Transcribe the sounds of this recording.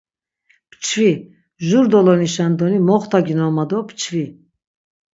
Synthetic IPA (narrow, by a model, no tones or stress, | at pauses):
pʰt͡ʃʰvi | ʒuɾd̪ɔlɔniʃand̪ɔnimɔχt̪ʰaɡinɔmad̪ɔpʰt͡ʃʰvi